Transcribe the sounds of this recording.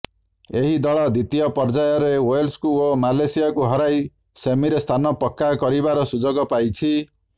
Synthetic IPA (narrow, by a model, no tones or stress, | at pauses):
eɦid̪ɔɭɔd̪it̪ijɔpɔɾd͡ʒajɔɾewojlskuomalesijakuɦɔɾaj | semiɾest̪ʰanɔpɔkːakɔɾibaɾɔsud͡ʒoɡɔpajt͡ʃʰi